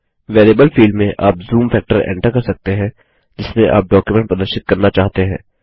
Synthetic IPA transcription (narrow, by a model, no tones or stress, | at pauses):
ʋɛːleːbəlfiːlɖmẽʔaːpzuːmfʰɛːk̚ʈəɾɛ̰̃ːɳʈəɾkɐɾsɐk̚t̪eɦɛ̃ | d͡ʒɪsmẽʔa̰ːp̚ɖɔːkjumɛ̃ɳʈ̚pəd̪əɾʃɪt̪̚kɐɾnat͡ʃaːɦt̪eɦɛ̃ː